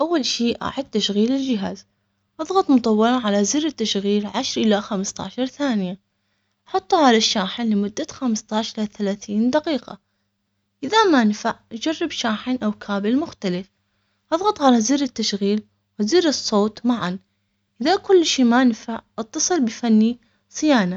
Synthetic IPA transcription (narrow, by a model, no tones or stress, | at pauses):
ʔawːalʃiːʔa̰ʕɪd̪̚t̪ːaʃɣiːlɪld͡ʒɪɦaːz | ʔɑðˤɣɑt̪ˤmʊt̪ˤɑwːɑɾɑnʕalazirɪt̪ːaʃɣiːlʕaʃɾʔɪlaxamst̪a̰ʕʃɑɾˤθaːnɪja | ʔħɑt̪ˤːuʕalaʃːaːħɪnlɪmʊd̪ːaxamst̪ɑʕʃʔɪaθalaːθiːnd̪aqiːqɑ̰ | ʔɪðamaʔnfaʕʔad͡ʒarːɪbʃaːħɪnʔawkʰaːbɪlmʊxt̪alɪf | ʔɑðˤɣɑt̪ˤʕalaziɾɪt̪ːaʃɣiːl | wɪziɾɨsˤːoːt̪ˤmaʕan | ʔɪðakʊlːʃiːmanfaʕʔɑt̪ːɑsˤɨlbɪfanːi | sˤɪjaːna